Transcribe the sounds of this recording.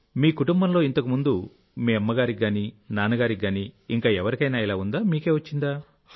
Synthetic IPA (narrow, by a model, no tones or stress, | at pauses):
miːkuʈumbɐmlo̞ːint̪ɐkumund̪u | miːɐmːɐɡaːɾiɡːaːninaːnɐɡaːɾiɡːaːniːŋkaːɛʋɐɾikɐjnaːilaːund̪aːmiːke̞ːʋɐt͡ʃːind̪aː